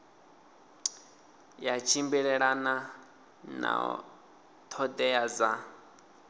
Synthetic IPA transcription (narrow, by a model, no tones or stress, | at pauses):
jat͡ʃʰimbiɺɛɺana | na̰ | t̪ʰɔd̪ɛjad͡za